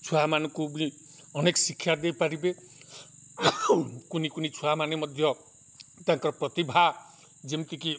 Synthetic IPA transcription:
t͡ʃʰuamanɔkubĩ | ɔneksikʰːjad̪ejpaɾibe | kunikunit͡ʃʰuamanemɔd̪ʱjɔ | t̪ãŋkɔɾɔpɾɔt̪ibʱa | d͡ʒemt̪iki

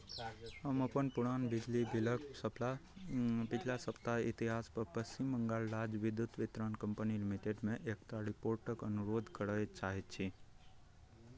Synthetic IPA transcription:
əməpənpʊɽ̃aːnbɪd͡ʒlibiləksəp | pit͡ʃʰlasəpt̪ait̪iɦaspəpəst͡ʃimːəŋɡaːlːad͡ʒʋɪd̪jut̪ʋɪt̪ɾənkəmpənilimiʈeɖmẽʔekt̪aɾipoɾʈəkənuɾoːd̪ʱkəɾəjt͡ʃaɦet̪t͡ʃʰi

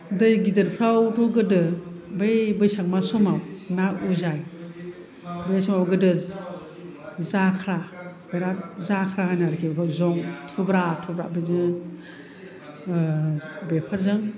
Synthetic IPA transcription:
dɯjɡidɯɾpʰɾawtʰɔɡɯdɯbɯjbɯjsaŋ̚masɔmawnauzaj | bɯjsɔmawɡɯdɯ | zakʰɾab̥eɾazakʰɾaajnaɾkʰibkʰazɔŋtʰubɾatʰubɾa̰bɯnɯ | bepʰɯɾzɯŋ

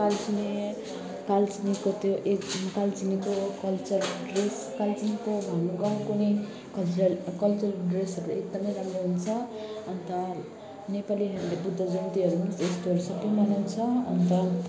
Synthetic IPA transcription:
kalt͡sine | kalt͡sinikot̪joʔekalt͡sinikokʌlt͡sʌrɖres | kalt͡sinikobʱʌnuɡakoni | kʌkʌlt͡sʌrɖresʌɾuek̚d̪ʌmʌjɾamroɦunt͡sʰʌʌnt̪ʌ | nepaliɦʌbud̪ʱːʌd͡zʌnt̪iɦʌɾuɦʌnsesʈ̪oɦʌɾusʌbːʌjmanaw̃t͡sʰʌʌ̰nt̪ʌ

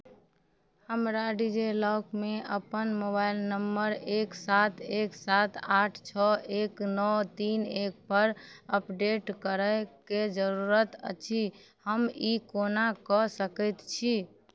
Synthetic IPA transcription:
həmɾaɖid͡ʒelɔkmeəpənmobailnəmːəɾeksat̪ʰeksat̪ʰaʈʰt͡ʃʰəeknɔt̪inek̚pəɾəpɖeʈkəɾəked͡ʒəɾuɾət̪ə̰t͡ʃʰi | həmikonakɔsəkət̪t͡ʃʰi

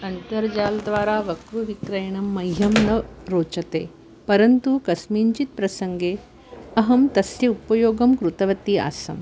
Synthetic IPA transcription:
ɐnt̪ɐɾd͡ʒaːld̪ʋaːɾaʋɐkɾuʋikɾɐjɳɐmːɐjɦɐmnɐɾoːt͡ʃɐt̪ḛː | pɐɾɐnt̪ukɐsmiːɲt͡ʃit̪̚pɾɐsɐŋɡe | ɐɦɐmt̪ɐsjɐupɐjoːɡɐmkɾut̪ɐʋɐt̪iːa̰ːsɐ̰m

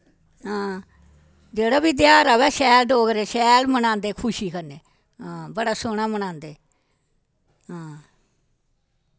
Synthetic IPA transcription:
ɦãː | d͡ʒeːɽaːbiːd̪ɪjaːɾəβɛːʃɛːlɖoːɡɾeːʃɛːlmənãːnd̪eːkʰʊʃiːkəneː | ɦãːbəɽaːsoɳaːmənãːnd̪eː | ɦãː

